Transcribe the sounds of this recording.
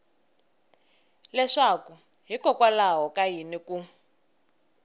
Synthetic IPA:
lɛʂaku | ɦikɔkwalaɦɔkajiniku

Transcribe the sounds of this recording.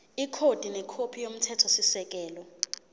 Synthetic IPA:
ikʰod̥ʱinɛkʰopʰijom̩tʰɛtʰɔsisɛk̬ɛːlɔ

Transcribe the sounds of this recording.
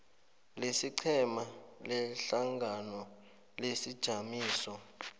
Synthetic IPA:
lesiǀʰɛmalɛɬaŋɡʱanɔ | lesid̥ʒ̥ʱamiːsɔ

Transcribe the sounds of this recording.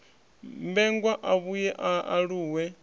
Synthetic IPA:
mbɛŋɡwaʔaβujɛʔaaɺuːwɛ

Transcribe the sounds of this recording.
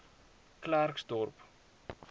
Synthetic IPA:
klarksdɔrp

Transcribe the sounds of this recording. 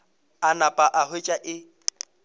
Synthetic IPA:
anapʼaʔahet͡ʃʼaʔɪ

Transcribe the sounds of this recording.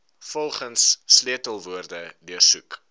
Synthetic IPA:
fɔlˠχənsːliətəlˠvuərdədiərsuk

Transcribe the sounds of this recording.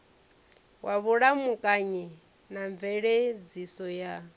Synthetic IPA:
wʔaβuɺamukʼaɲɛ | naɱvɛɺɛd͡zisɔja

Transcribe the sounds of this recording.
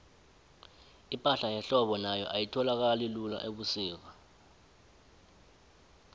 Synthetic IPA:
ipʼaɬajɛɬɔɓɔnajɔ̰ʔajitʰɔlak̬alilula̰ʔeɓusiːk̬a

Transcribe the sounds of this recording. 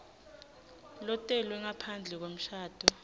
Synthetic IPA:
lɔtʼɛlwɛŋapʰand͡ɮʱɛk̬wom̩ʃaːd̥ʰʱɔ

